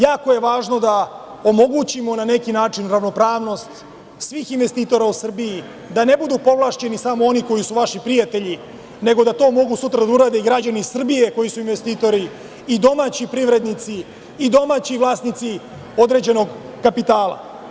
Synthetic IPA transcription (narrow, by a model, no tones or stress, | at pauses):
jaːko̞je̞ʋaːʒno̞d̪a | omo̞ɡut͡ɕimo̞nane̞kinaːt͡ʂinɾaʋno̞pɾaːʋno̞st̪ | sʋiːxinʋe̞st̪iːt̪o̞ɾausr̩biji | d̪ane̞bud̪upo̞ʋlˠaːʃt͡ɕe̞nisamo̞oniko̞jisuʋaʃipɾijat̪e̞ʎi | ne̞ɡo̞d̪at̪o̞ːmo̞ɡusut̪ɾad̪auɾaːd̪eiɡɾad͡ʑanisr̩bije̞ko̞jisuinʋest̪iːt̪o̞ɾiː | d̪o̞maːt͡ɕipɾiʋɾe̞d̪nit̪siː | d̪o̞maːt͡ɕiʋlˠaːsnit̪si | o̞d̪ɾe̞d͡ʑe̞no̞ɡ | kapit̪aːlˠa̰